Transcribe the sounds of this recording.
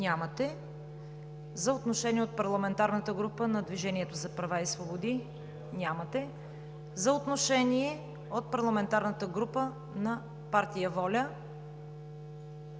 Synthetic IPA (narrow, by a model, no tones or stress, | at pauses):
nʲamət̪ɛ | zɐot̪noʃɛniɛot̪̚pɐɾlˠɐmɛnt̪aɾnət̪əɡɾupənɐd̪viʒɛniɛt̪ozɐpɾɐvaisvobod̪i | nʲamət̪ɛ | zɐot̪noʃɛniɛ | ot̪̚pɐɾlˠɐmɛnt̪aɾnət̪əɡɾupə | nɐ | paɾt̪ijəvɔlʲə